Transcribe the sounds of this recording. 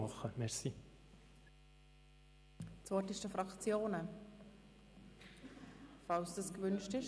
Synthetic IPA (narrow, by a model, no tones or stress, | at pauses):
ɑχəmɛɾsi | t͡svɔtɪʃtəfɾɑkt͡sjoːnə | fɑlsdəskvʏnʃtɪʃ